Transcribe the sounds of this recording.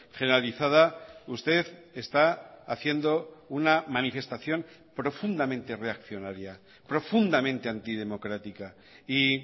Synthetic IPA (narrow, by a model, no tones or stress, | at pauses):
χeneɾaliθað̞aust̪e̞ðe̞st̪aːθje̞nd̪o̞unamanife̞st̪aθjo̞n | pɾo̞fund̪amẽnt̪e̞re̞akθjo̞naɾja | pɾo̞fund̪amẽ̞nt̪eant̪ið̞e̞mo̞kɾat̪ika | i